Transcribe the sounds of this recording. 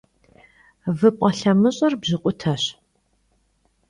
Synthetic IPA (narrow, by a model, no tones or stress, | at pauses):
vɨpʷʼɐɬɐmɨɕʼɐrbʑɪqʷʼʊtʰɐɕ